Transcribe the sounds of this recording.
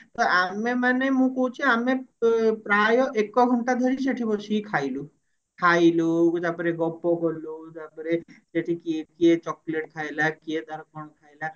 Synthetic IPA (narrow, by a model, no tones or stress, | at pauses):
t̪ɔamemanemũkoɦut͡ʃʰiamẽpɾajɔʔekːɔɡʱɔɳʈad̪ʱɔɾis̬eʈʰibɔt͡ʃʰikʰailu | kʰailukt̪apɔɾeɡɔpːokɔlut̪apɔɾeseʈʰikikiet͡ʃɔkleʈ̚kʰajlakied̪ɔɾkʰɔnkʰajla